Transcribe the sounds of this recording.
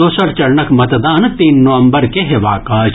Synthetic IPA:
oːsɐɾt͡ʃɐɾɳəkmɐt̪d̪aːnt̪iːnːoʋɐ̃mbəɾkeɦeʋa̰ːkaː

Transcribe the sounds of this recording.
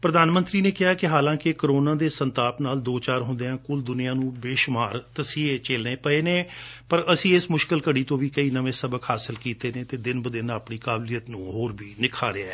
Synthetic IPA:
pɾəd̪aːnmə̃nt̪ɾiːneːkɪɦaːkɪɦaːlãːkɪkəɾoːnãːd̪eːsənt̪aːpnaːld̪oːt͡ʃaːɾɦʊ̃nd̪eːãːkʊld̪ʊnɪjãːnũːbeːʃʊmaːɾt̪əsiːet͡ʃeːlneːpəeːneːpəɾəsĩːɪsmʊʃkəlkəɽiːt̪õːʋiːkəiːnəʋẽːsəbəkhaːsɪlkiːt̪eːneːt̪eːd̪ɪnbəd̪ɪnaːpɳiːkaːbliːjət̪nũːɦoːɾbiːnɪkʰa̰ːɾɪaɛː

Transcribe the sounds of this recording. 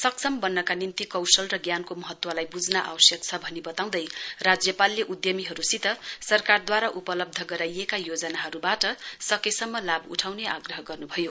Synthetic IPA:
sʌksʰʌmbʌnːʌkanint̪ikʌwsʌlrʌɡjankomʌɦʌt̪wʌlajbud͡znaʔa̰wʌsjʌk̚t͡sʰʌbʱʌnibʌt̪aw̃d̪ʌjrad͡zjʌpalːeʔud̪jʌmiɦʌɾusit̪ʌsʌrkard̪waɾaʔupʌlʌb̚d̪ʱʌɡʌɾajekajod͡zʌnaɦʌɾubaʈʌsʌkesʌmːʌlabṵʈʰawneʔaɡrʌɦʌɡʌrnubʱʌjo

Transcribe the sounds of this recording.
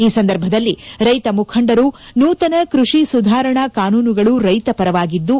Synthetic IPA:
iːsɐnd̪ɐɾbʱɐd̪ɐlːiɾɐjt̪ɐmukʰɐɳɖɐɾunuːt̪ɐnɐkɾuʂisud̪ʱaːɾɐɳɐkaːnuːnuɡɐɭuɾɐjt̪ɐpɐɾɐʋaːɡid̪ːu

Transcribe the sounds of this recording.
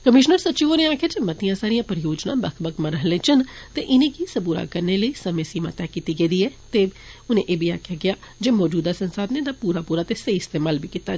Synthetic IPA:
kəmɪʃnəɾsətːt͡ʃiːoːnẽːaːkʰjaːd͡ʒemət̪ijãːsaːɾijãːpəɾjoːd͡ʒnãːbəkʰbəkʰməɾəɦəlẽːt͡ʃənt̪eːʔɪnẽːkisəbuɾa̰ːkəɾneːləiːsəmẽːsiːma̰ːt̪ɛːkiːt̪iːɡeːd̪iːɛːt̪eː | ʊnḛ̃ʔeːbʱiːa̰ːkʰejaːɡɪjaː | d͡ʒeːmɔːd͡ʒuːd̪aːsənsaːd̪ned̪aːpuːɾaːpuːɾaːt̪eːsəiɪst̪eːmaːlbiːkiːt̪aː

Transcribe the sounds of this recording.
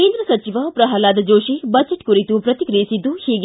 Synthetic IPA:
eːnd̪ɾɐsɐt͡ʃiʋɐpɾɐɦɐlaːd̪ɐd͡ʒoːʃibɐt͡ʃɐʈkuɾit̪upɾɐt̪ikɾiːsid̪uhiːɡ

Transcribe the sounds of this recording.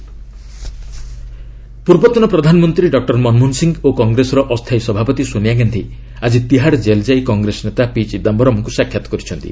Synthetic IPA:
puɾbɔt̪ɔnɔpɾɔd̪ʱanɔmɔnt̪ɾiɖɔk̚ʈɔɾmɔnmunsiŋɡokɔŋɡɾesɔɾɔʔɔst̪ʰajsɔbʱapɔt̪isoniaɡant̪ʰi | ad͡ʒit̪iɦaɽd͡ʒeld͡ʒajkɔŋɡɾesɔnet̪apit͡ʃid̪ambʱɔɾɔmɔŋkusakʰjat̪ɔ̥kɔɾit͡ʃʰɔnt̪ḭ

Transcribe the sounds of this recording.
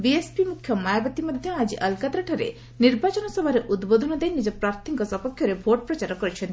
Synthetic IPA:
biespimukʰjɔmajabɔt̪imɔd̪ʱjɔad͡ʒiʔɐlkat̪ɾaʈʰɔɾḛ | niɾbat͡ʃɔnɔsɔbʱaɾeʔud̪bod̪ʱɔnɔd̪ejnid͡ʒɔpɾaɾt̪ʰiŋkɔsɔpɔkʰjɔɾebʱoʈ̚pɾɔt͡ʃaɾɔkɔɾit͡ʃʰɔn

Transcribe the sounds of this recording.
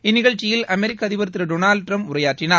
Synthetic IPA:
ɪnːɪɣɐɭt͡ʃːɪjɪlɐmɛɾɪkːɐðɪʋɐɾt̪ːɪɾɐɖonaːlɖʈrɐmpʊɾɐjaːʈrɪnaːɾ

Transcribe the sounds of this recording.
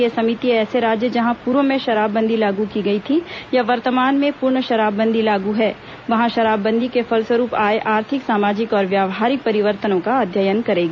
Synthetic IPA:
esɐmit̪iɛːseɾaːd͡ʒjəd͡ʒɐɦãpuːɾʋəmẽʃɐɾaːbːɐ̃nd̪ʱilaːɡukiɡɐit̪ʰijɐʋɐɾt̪əmaːnmẽpʊɾɳəʃɐɾaːbːɐ̃nd̪ʱilaːɡuɦɛː | ʋɐɦãʃɐɾaːbːɐ̃nd̪ʱikefɐlswəɾuːpaːeʔaːɾt̪ʰɪksaːmaːd͡ʒɪkɔːɾʋjaːʋɦaːɾɪk̚pɐɾɪʋəɾt̪ənõkaɐd̪ʱjəjənkɐɾeːɡaː

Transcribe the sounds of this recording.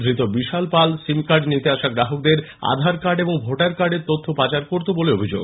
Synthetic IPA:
d̪ʱɾit̪obiʃalpalsimkaɾɖnit̪eaʃaɡɾaɦok̚d̪eɾ | a̰d̪ʱaɾkaɾɖeboŋbʱoʈaɾkaɾɖeɾt̪ot̪ʰːopat͡ɕaɾkoɾt̪oboleobʱid͡ʑo̰ɡ

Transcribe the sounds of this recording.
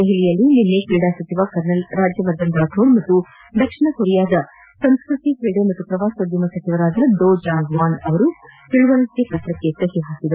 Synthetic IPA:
d̪eɦɛlijɐlːininːekiːɽaːsɐt͡ʃiʋakɐɾnɐlɾaːd͡ʒjɐʋɐɾd̪ɐnd̪aːʈʰoːɾmɐt̪ːu | d̪ɐkʂiɳɐkoɾijaːd̪ɐ | sɐmskɾut̪ikɾiːɽemɐt̪ːupɾɐʋaːsɐd̪jɐmɐsɐt͡ʃiʋɐɾaːd̪ɐɐɖ̪oːd͡ʒaːŋɡʋaːnɐʋɐɾut̪iɻuʋɐlɐsepɾɐt̪ɾɐkːet̪ːɐɦiɦaːsid̪ɐɾu

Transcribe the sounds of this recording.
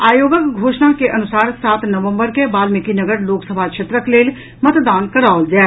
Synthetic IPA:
aːjoːɡəkɡʱoːʃnakeʔɐnʊsaːɾsaːt̪nɐʋə̃mbəɾkebaːlmɪkinɐɡəɾloːksəbʱakʃʰeːt̪ɾəkleːl | mɐt̪d̪aːnkɐɾaːld͡ʒaː

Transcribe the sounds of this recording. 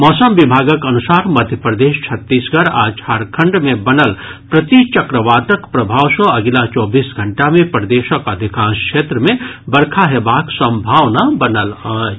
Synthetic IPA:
mɔːsəmʋɪbʱaːɡəkɐnʊsaːɾmɐd̪ʱjəpɾd̪eːʃt͡ʃʰɐt̪ːiːsɡʱəɾaːd͡ʒhaːɾkʰə̃ɳɖmẽbɐnəlpɾɐt̪it͡ʃɐkɾəʋaːʈəkpɾɐbʱaːwʃõɐɡɪlat͡ʃɔːbiːsɡʱə̃ɳʈamẽpɾəd̪eːʃəkɐd̪ʱɪkaːnskʃeːt̪ɾəmẽbɐɾkʰaɦeːbaːksə̃mbʱaːʋnabɐnəlaː

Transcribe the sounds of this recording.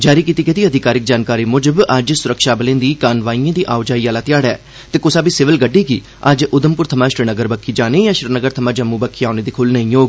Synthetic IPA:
d͡ʒaːɾiːkiːt̪iːkɪt̪iːəd̪ʱɪkaːɾɪk̚d͡ʒaːnkaːɾiːmʊd͡ʒəbəd͡ʒsʊɾəkʃaːbəlẽnd̪iːkaːnʋaːiːãːd̪iːʔaːʊd͡ʒaːiːaːlaːt̪ɪjaːɽɛː | t̪eːkʊsaːbiːsɪʋəlɡəɖːiːɡiː | əd͡ʒʊd̪əmpʊɾt̪ʰəmãːʃɾənəɡəɾbəkʰːiːd͡ʒaːnẽːjãːʃɾənəɡəɾt̪ʰəmãːd͡ʒəmːũːbəkʰːiaːneːd̪iːkʰʊlnəĩːjoːɡ

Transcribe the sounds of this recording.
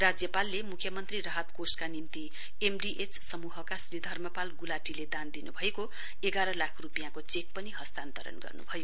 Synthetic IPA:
rad͡zjʌpalːemukʰjʌmʌnt̪riɾʌɦat̪koskanimt̪i | emɖiʔet͡ssʌmuɦʌkasrid̪ʱʌrmʌpalɡulaʈiled̪and̪inubʱʌeko | eɡaɾʌlakʰrupijãkot͡sek̚pʌniɦʌst̪ant̪ʌɾʌ̰nɡʌ̰rnṵbʱʌjo

